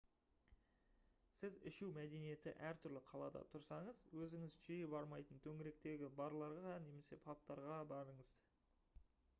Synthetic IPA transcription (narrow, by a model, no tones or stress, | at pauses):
sɪzɪʃuwmæd̪e̞nije̞t̪ɪ̰ʔæɾt̪ʰʏɾlɪqʰɑlˠɑd̪ɑ̰t̪ʰʊɾsɑɴəzwɵzɪŋɪzʒijɪpɑɾmɑjt̪ənt̪ʰɵŋɪɾe̞k̚t̪e̞ɡʲɪbɑɾlˠɑɾʁɑne̞me̞se̞pʰɑp̚t̪ɑɾʁɑbɑɾəɴəz